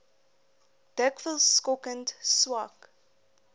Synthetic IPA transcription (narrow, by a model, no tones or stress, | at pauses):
d̥ɛkfəlskɔkəntswak